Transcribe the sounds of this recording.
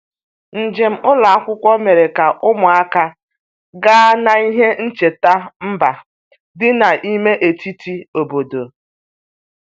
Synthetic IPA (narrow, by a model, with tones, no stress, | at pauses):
n̩˨d͡ʒɪ˨m̩˦ʊ˦la˨a˦kʷʊ˦kʷɔ˦me˨ɾe˨ka˨ʔʊ˦mʊ˨a˦ka˦ | ɡaː˦na˨i˦ɦe˦n̩˦t͡ʃe˨ta˦m̩˦ba˨ | dɪ˦na˨ʔi˦me˦ʔe˨ti˦tʰi˦o˨bo˨do˨